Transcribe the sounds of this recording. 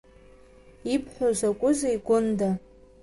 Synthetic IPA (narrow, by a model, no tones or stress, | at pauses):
ipʰħʷᶣazʷakʷʼʊzeiɡʷʊnda